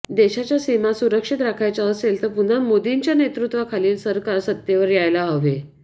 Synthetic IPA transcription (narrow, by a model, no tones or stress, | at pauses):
d̪eɕat͡ɕjasimasuɾəkʂit̪ɾakʰajt͡saəselt̪əɾpun̤amod̪iɲt͡ɕjanet̪ɾut̪ʋəkʰaliːlsəɾkaɾsət̪ːjeʋəɾjajlaɦəʋe